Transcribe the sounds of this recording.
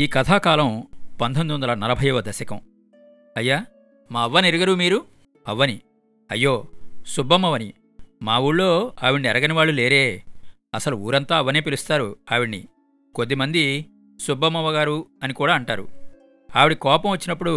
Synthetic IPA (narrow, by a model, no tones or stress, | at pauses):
iːkɐt̪ʰaːkaːlɐmpɐnt̪ʰond̪uʋɐnd̪ɐlɐnɐlɐbʱɐjɐʋɐd̪ɐsɐkɐm | ɐjːaː | maːɐʋːɐniɾuɡɐɾumiːɾu | ɐʋːɐni | ɐjːo̞ːsubːɐmɐʋɐni | maːwuːɭlo̞ːaːʋiɳniɛɾɐɡɐniʋaːɭːule̞ːɾeː | ɐsɐluṵːɾɐnt̪aːɐʋːɐneːpilust̪aːɾuaːʋiɽnḭ | ko̞d̪ːimɐnd̪i | subːɐmɐʋɐɡaːɾuɐnikuːɽaːɐɳʈaːɾṵ | aːʋiɽikɔːpɐmʋɐt͡ʃːinɐpːuɽu